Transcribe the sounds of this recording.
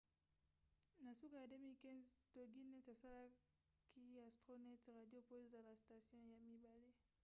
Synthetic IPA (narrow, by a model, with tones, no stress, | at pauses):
na˨su˦ka˨ja˨de˦mi˦lkɛ̃˦zto˨ɡi˦nɛ˦ta˨sa˦la˦ | kʰi˦a˨sto˦nɛ˦tʁa˨djo˦po˦o˦za˨la˨sta˨sjɔ̃˦ja˨mi˨ba˨le˦